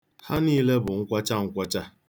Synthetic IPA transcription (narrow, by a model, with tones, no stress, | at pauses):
ha˦niː˦le˦bʊ˨ŋ̩˦kʷa˦t͡ʃa˦ŋ̩˦kʷa˦t͡ʃa˦